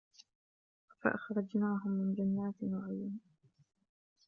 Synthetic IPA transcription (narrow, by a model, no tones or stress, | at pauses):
fa̰ʔɑxɾˤɑd͡ʒnaːɦʊmːɪnd͡ʒanːaːt̪naʕɪjan